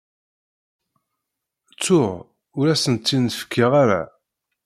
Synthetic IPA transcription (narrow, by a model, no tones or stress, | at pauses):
t͡sːʊʁ | ʊɾæsənt̪ːinfə̥kʰːiʁaɾæ̰